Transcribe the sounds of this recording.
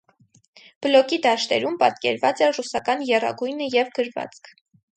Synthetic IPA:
b̥əlɔkid̪ɑʃt̪ɛ̰ɾumpɑt̪kɛ̰ɾvɑt͡sɛrusɑkɑnjɛrɑ̰ɡujnəjɛvɡəɾvɑ̰t͡skʰ

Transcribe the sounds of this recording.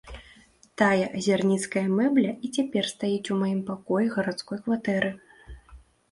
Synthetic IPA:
t̪ajɐʔɐzʲarnʲit̪skɐjɐmɛblʲɐit͡sʲapʲɛrst̪ajit͡sʲumajimpakɔjɛɣɐɾat̪skɔjkvat̪ɛɾɨ

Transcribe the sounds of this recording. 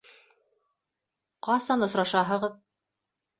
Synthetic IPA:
qɑsɑnŏsɾɑʃɑɦɤ̆ʁɤð

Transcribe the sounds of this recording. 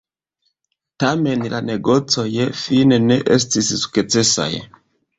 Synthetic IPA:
tame̞nlaneɡo̞t͡sojefineneʔestissu̥ket͡sesa̰j

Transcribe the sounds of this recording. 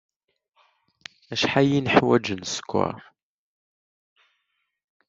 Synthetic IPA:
æʃħajinəħwæd͡ʒənskʷːæ̰

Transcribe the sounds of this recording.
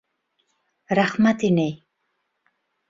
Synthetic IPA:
ɾahmat̪inej

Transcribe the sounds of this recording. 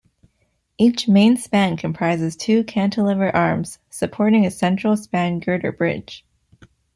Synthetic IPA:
it͡ʃmẽɪ̃nspæ̃nkʰɨ̃m̩pʰɹ̥aɪzɨz̥tʰʉkʰæ̃ntʰəlɪvə˞ʔɑɹmz̥ | sɨpʰɔɹɾɪ̃ŋɨsɛ̃nt͡ʃɹ̥l̩ˠspæ̃nɡɜ˞ɾə̰˞bɹɪ̰d̥ʒ̥

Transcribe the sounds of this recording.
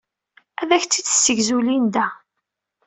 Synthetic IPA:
æðæçt͡s̪ːit͡sːə̥sːəʝzulind̪æ

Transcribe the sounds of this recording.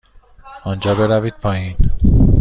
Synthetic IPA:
ɒnd͡ʒɒːbe̞ɾæviːd̪̚pʰɒːjin

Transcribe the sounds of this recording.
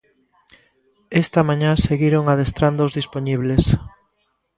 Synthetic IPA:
est̪ɐmãɲãseɣiɾoŋaðest̪ɾand̪ozðisponiβ̞les

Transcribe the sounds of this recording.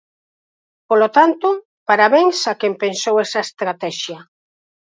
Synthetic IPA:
polot̪ant̪o | paɾaβeŋsakempensowɛsaest̪ɾat̪ɛʃja

